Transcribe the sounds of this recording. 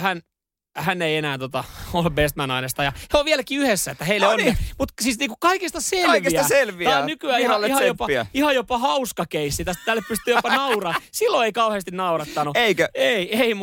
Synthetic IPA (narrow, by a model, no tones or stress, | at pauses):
hæn | hænːeienæːt̪ot̪ɑolːebest̪mænɑinest̪ɑjɑheoʋʋieælækiːyhesːæet̪ːæheilːeonimut̪siːsniːkukkɑikist̪ɑselɑʋisæɑselʋiɑnykyæːihɑihɑjopɑæ̰ihɑjopɑhɑuskɑkeisːit̪æst̪æt̪ælːeppyst̪ˑyːjopɑnɑurɑːsilːoeikɑuheːst̪innɑurɑt̪ːɑnueikæeieim